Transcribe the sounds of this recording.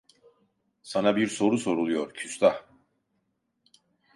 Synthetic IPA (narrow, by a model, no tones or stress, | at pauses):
sanabiɾso̞ɾuso̞ɾulˠujo̞ɾcʰyst̪a